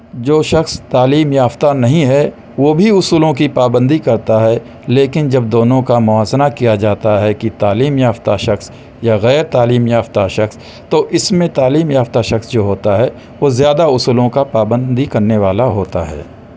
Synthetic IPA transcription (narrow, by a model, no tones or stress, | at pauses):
d͡ʒoːʃɐxst̪aːliːmjaːft̪anɐɦĩɦɛ | ʋoːbʱiʊsuːlõkipaːbə̃nd̪ikɐɾt̪aɦɛ | leːkɪnd͡ʒɐb̚d̪oːnõkamʊaːznakijad͡ʒaːt̪aɦɛkit̪aːliːmjaːft̪aʃɐxs | jaɣɛːɾt̪aːliːmjaːft̪aʃɐxs | t̪oʔɪsmẽt̪aːliːmjaːft̪aʃɐxsd͡ʒoːɦoːt̪aɦɛ | ʋozjaːd̪aʊsuːlõkapaːbə̃nd̪ikɐɾneʋaːlaɦoːt̪a̰ɦɛ̰ː